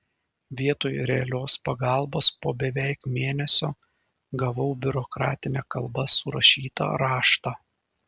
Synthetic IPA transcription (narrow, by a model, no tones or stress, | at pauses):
ʋʲiɛt̪oːjɾʲɛɐlʲoːspɐɡɑlˠboːspoːbʲɛʋʲɛɪkmʲeːnʲɛsʲoː | ɡɐʋɐʊbʲʊɾɔkɾɑ̰ːt̪ʲɪnʲɛːkɐlˠbɐsʊɾɐ̰ʃʲiːt̪ɐ̰ɾɑːʃt̪ɑː